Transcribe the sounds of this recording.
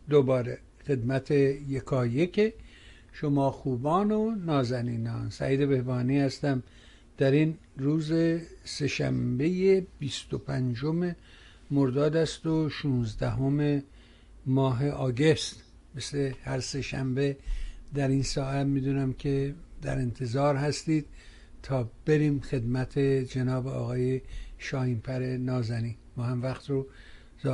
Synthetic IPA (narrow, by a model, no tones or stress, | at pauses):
d̪obɒːɾe | xe̞d̪mæt̪ʰejekʰɒːjekʰe | ʃomɒːxuːbɒːnonɒːzæniːnɒːnsæ̰ʔiːd̪e̞be̞hbɒːniːhæst̪æm | d̪̥æɾin | ruːzese̞ʃæ̰mbejebist̪opʰænd͡ʒome̞ | moɾd̪ɒːd̪æst̪oʃuːnzd̪æɦome̞ | mɒːɦe̞ʔɒːɡe̞st̪ | meslehæɾse̞ʃæ̰mbe̞d̪æɾinsɒːæt̪miːd̪uːnæmkʲʰe̞d̪æ̰ɾe̞nt̪ʰe̞zɒːɾɦæst̪iːd̪̥̚ | t̪ʰɒːb̥eɾiːmxe̞d̪mæt̪ʰed͡ʒenɒːbeɒ̰ːɣɒːjeʃɒːhiːmpʰæɾe̞nɒːzæniː | mɒːhæmvæxt̪ɾo | z